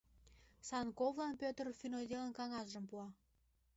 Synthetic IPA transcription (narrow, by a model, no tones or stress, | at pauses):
sɑnkovlɑnpʲøt̪ərfynod̪ʲelənkɑŋɑsʒəmpuɑ